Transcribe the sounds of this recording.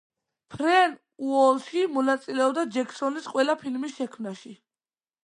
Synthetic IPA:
pʰɾɛn | uɔlˠʃimɔnat̪sʼilɛɔb̚d̪ad͡ʒɛkʰsɔnisqʼwɛlapʰilmisʃɛkʰmnaʃi

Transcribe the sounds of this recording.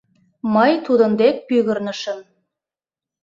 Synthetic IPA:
məjt̪ud̪ə̆nd̪ek̚pyɣə̆rnə̆ʃə̆n

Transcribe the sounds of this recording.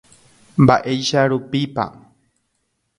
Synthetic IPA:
mbaʔejʃaɾupipa̰

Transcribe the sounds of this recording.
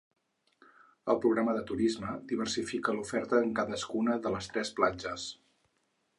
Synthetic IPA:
ə̰lˠpɾuɣɾaməðət̪uɾizməd̪iβ̞ərsifikəlufɛɾt̪əːŋkaðəskunəðələst̪ɾɛsplad͡ʒəs

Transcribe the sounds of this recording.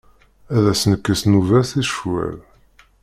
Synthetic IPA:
æðæsənəkːəsnuvæsiʃwæ̰l

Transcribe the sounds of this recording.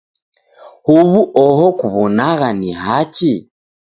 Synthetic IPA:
huβuʔɔɦɔkuβɔnaɣanihat͡ʃi

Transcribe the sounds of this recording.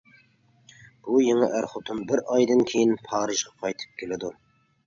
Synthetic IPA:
b̥ujeŋɪ̰ʔæɾχʊt̪ʰʊnbɪɾɑjd̪ɨnkʲʰejinpʰɑːɾɨʒʁɑqʰɑjt̪ʰɨ̥p̚kʲʰelɪd̪u

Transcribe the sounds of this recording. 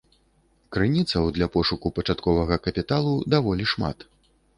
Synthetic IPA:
kɾɨnʲit̪sɐwd̪lʲɐpɔʂukupɐt͡ʂat̪kɔvɐɣɐkɐpʲit̪alˠud̪avɔlʲiʂma̰t̪

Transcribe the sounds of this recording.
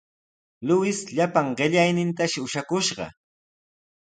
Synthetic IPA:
lʊwɪsʎapaŋɢɪʎajnɪnt̪aʃɪʊʃakʊʃɢɑ̰

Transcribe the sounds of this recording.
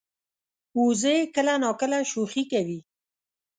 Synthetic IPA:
uzəkəlanɑkəlaʃoxikawi

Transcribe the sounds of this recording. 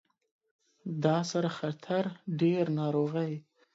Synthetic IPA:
d̪ɑsaɾaxat̪ʰaɾɖeɾnɑɾoɣəj

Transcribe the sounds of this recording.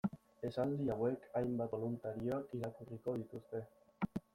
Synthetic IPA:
e̞sald̪iawe̞kʰajmbat̪olunt̪aɾio̞akiɾakuriko̞ðit̪ust̪e̞

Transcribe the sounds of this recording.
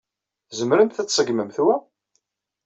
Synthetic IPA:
zəmɾənt̪θæt͡sːsˤəɡməmθwæ

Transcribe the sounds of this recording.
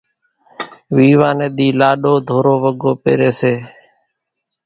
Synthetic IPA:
ʋiːʋaːneːɗ̪iːlaːɗoːd̪ʱoːɾoːʋəɠoːpḛːɾeːseː

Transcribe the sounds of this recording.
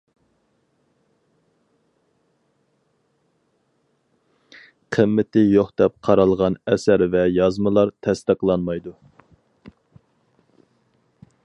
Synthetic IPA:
qʰəmːɪt̪ɪjoχd̪ɛp̚qʰɑɾɑlˠʁɑnɛsæɾvɛjɑzmɨlˠɑɾt̪ʰɛst̪əqlˠɑnmɑjd̪u

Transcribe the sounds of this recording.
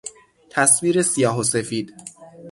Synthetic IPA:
t̪ʰæsviːɾesijɒːɦose̞fiːd̪̥

